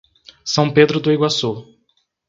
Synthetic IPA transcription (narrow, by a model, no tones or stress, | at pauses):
sɐ̃w̃ped̪ɾʊd̪ʊiɡwaso